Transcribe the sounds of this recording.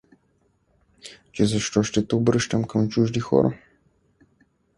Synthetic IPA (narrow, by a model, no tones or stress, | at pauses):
t͡ʃɛzɐʃt̪ɔʃt̪ɛt̪obɾəʃt̪əmkəmt͡ʃuʒd̪ixɔ̰ɾʔɐ̰